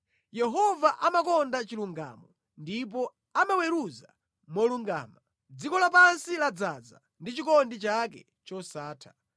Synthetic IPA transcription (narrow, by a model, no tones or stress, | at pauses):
jɛɦɔvaʔamakɔndat͡ʃiluŋɡa̰mɔ | ndip̬ɔ | amawɛɾuza | mɔluŋɡa̰ːma | d͡zikɔlapansilad͡zad͡za̰ | ndit͡ʃikɔndit͡ʃakɛ̰ | t͡ʃɔsaːtʰḁ